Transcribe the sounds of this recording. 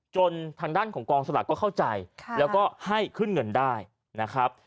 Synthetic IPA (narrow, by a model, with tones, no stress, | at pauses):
t͡ɕo˧nt̪ʰaː˧ŋdaː˥˩nkʰɔː˩˦ŋkɔː˧ŋsa˧la̰˨˩t̚kɔː˥˩kʰa˥˩wt͡ɕa˧jʰlɛː˦˥kɔː˥˩ha˥˩jkʰɯ˥˩nŋɤ˧ndaː˥˩j | na˦˥kʰɾa˦˥p̚